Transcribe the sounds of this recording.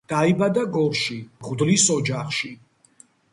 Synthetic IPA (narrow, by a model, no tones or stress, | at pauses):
d̪̥aibad̪aɡɔɾʃiʁd̪lisɔd͡ʒaχʃi